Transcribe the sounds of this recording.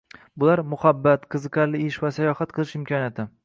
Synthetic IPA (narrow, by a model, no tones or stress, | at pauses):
bʊlaɾmʊhabːat̪qʰɨzɨqʰɑɾlɪɪʃvasajɒhat̪qʰɨlˠɪʃɪmkʲʰɒnjat̪ʰɪ